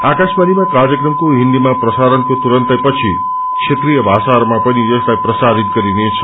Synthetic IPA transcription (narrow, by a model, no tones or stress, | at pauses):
akaʃbanimãkaɾjəkɾəmkuɦind̪imãpɾəsaɾənk̪ut̪uɾənt̪əpət͡ʃʰi | kʃʰet̪ɾijəʋasaɾmãpəniekajpɾəsaɾit̪̚kəɾinet͡ʃʰe̥